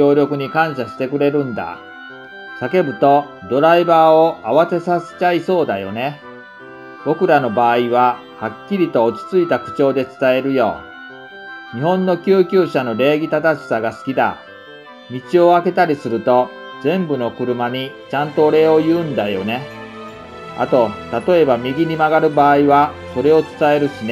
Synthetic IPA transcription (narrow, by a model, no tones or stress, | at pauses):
o̞ːɾʲo̞kɯ̟ɲ̟ikãɰ̃ɕaɕi̥t̪e̞kɯ̟ɾe̞ɾɯ̟̃nd̪a̰ | sake̞bɯ̟t̪o̞ | d̪o̞ɾaibaːo̞aβase̞sase̥t͡ɕaiso̞ːd̪ajo̞̰ne̞ | b̥o̞kɯ̟ɾano̞baːiβa | hakʲːiɾʲit̪o̞ːt͡ɕi̥t͡sɨit̪akɯ̟̥t͡ɕo̞ːd̪e̞t͡sɨ̥t̪ae̞ɾɯ̟jo̞̰ː | ɲ̟ihõ̞nːo̞kʲɨːkʲɨːɕano̞ɾe̞ːɡʲit̪at̪aɕi̥saɡasɨ̥kʲid̪a̰ | mʲit͡ɕio̞ake̞t̪aɾʲisɨɾɯ̟t̪o̞ | d͡zẽ̞mbɯ̟no̞kɯ̟ɾɯ̟maɲ̟it͡ɕãnt̪o̞ːɾe̞o̞jɯ̟̃ːnd̪ajo̞̰ne̞ | a̰t̪o̞t̪at̪o̞e̞bamʲiɡʲiɲ̟imaɡaɾɯ̟baːiβaso̞ɾe̞o̞t͡sɨ̥t̪ae̞ɾɯ̟ɕine